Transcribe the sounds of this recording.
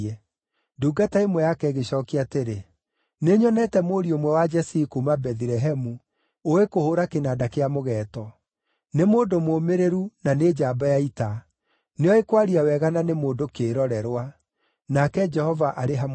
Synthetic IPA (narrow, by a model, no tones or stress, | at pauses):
ɛ | duːɡataemwɛjakɛɣeɕɔːkiateɾe | neɲɔnɛtɛmoɾiomwɛwad͡ʒɛsikumabɛðiɾɛɦɛmu | oekohoɾakenadakeamoɣɛːtɔ | nemoːndomomeɾeɾunaned͡ʒaːbajaita | neɔekwaɾiawɛɣananemoːdokeːɾɔɾɛɾwa | nakɛd͡ʒɛhɔvaʔaɾeɦam